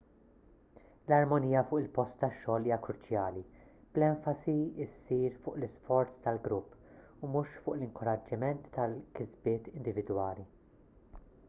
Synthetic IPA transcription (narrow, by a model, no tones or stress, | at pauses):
lɐɾmɔniːjɐfʊːʔɪlpɔst̪ːɐʃːɔːliːjɐkɾʊt͡ʃjɐːlib̥lɛɱfɐsiɪsːiːɾfʊːʔlɪsfɔɾt͡st̪ɐlɡɾʊpː | umuːʃfʊːʔlɪŋkɔɾɐd͡ʒːɪmɛnt̪ːɐlkɪzbɪːt̪ɪnd̪ɪvɪd̪wɐːli